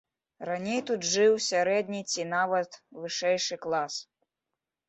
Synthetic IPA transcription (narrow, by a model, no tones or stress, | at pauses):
ranʲejt̪ud̪ʐɨwsʲaɾɛd̪ʲnʲit͡sʲinavɐt̪vɨʂɛjʂɨklˠas